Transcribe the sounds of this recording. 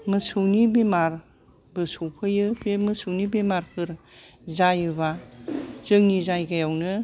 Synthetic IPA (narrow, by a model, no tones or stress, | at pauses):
mɯsɯwnibemaɾ | bɯsowpʰɯjɯbemɯsɯwnibemaɾpʰɯɾ | zajɯβa | z̥ɯŋnizajɡajawnɯ